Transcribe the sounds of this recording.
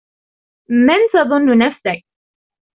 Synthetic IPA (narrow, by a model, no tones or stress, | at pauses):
mant̪ɑðˤʊnːʊnafsak̚